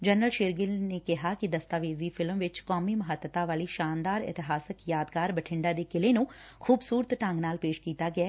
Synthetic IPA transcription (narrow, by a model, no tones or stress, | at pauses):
d͡ʒɛːnɾəlʃeːɾɡɪlneːkɪɦaːkɪd̪əst̪aːʋeːziːpʰɪlmʋɪt͡ʃkɔːmiːməɦət̪ːət̪aːʋaːliːʃaːnd̪aːɾɪ̰t̪ɪɦaːsəkjaːd̪kaːɾbəʈʰɪɳɖaːd̪eːkɪleːnũːkʰuːbsuːɾət̪ʈə̃ŋɡnaːlpeːʃkiːt̪aːɡɪɛː